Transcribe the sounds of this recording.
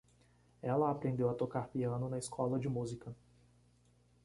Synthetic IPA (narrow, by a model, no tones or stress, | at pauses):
ɛlɐapɾẽnd̪ewɐt̪okaɾpiɐ̃nʊnɐiskʰɔlɐd͡ʒɪmuzikɐ